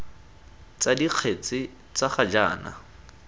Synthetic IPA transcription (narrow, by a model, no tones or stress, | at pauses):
t͡sadiq͡χʰet͡sʼɪ | t͡saχad͡ʒa̰ːna̰